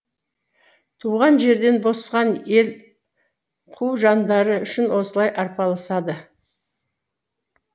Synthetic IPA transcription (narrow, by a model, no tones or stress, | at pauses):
t̪ʰuʁɑnʒe̞ɾd̪e̞nbo̞sʁɑne̞l | qʰuʒɑnd̪ɑɾəʏʃɪnwo̞səlˠɑjʔɑɾpɑlˠɑsɑd̪ə